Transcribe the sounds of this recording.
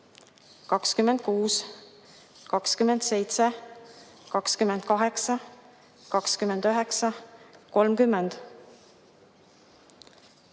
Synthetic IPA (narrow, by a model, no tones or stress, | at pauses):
kɑkskymːend̪̥̚kuːs | kɑkskymend̪se̞jt̪se | kɑkskymend̪̥̚kɑɦe̞ksɑ | kɑkskymend̪̥øɦeksɑko̞lmkymːend̪̥